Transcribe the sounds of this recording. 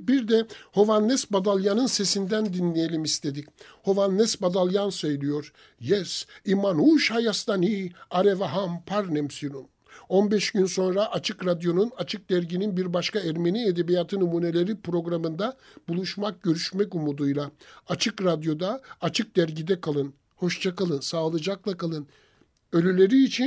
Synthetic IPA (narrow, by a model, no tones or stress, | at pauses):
biɾd̪ɛho̞vanːɛsbad̪alˠjanɯnse̞sind̪ænd̪inlʲejelʲimist̪ʰe̞d̪ic | ho̞vanːɛsbad̪alˠjansø̞jlʲijo̞ɾ | jɛsimanuːʃhajast̪ʰaniaɾevaɦampʰaɾnɛmsiɾun | o̞nbɛʃɟynso̞nɾaʔat͡ʃʰɯkɾad̪jo̞nunat͡ʃʰɯk̚d̪æɾɟininbiɾbaʃkaɛɾme̞nied̪ebijaːt̪ʰɯnumuːne̞lʲe̞ɾipɾo̞ɡɾamɯnd̪a | bulˠuʃmak̚ɟø̞ɾyʃmɛkumud̪ujlˠaat͡ʃʰɯkɾad̪jo̞d̪aːt͡ʃʰɯk̚d̪̥æɾɟid̪ɛkʰalˠɯn | ho̞ʃt͡ʃʰakalˠɯnsaːlˠɯd͡ʒaklˠakʰalˠɯn | ø̞lʲylʲe̞ɾiːt͡ʃʰi